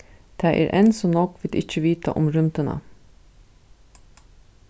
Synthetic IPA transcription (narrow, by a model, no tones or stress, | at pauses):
t̪ʰæʔɛ̰ːɾʔɛnsɔnɔkʋɪd̪ɪc͡çəʋiːt̪a̰ʔʊmɾʉmt̪əna̰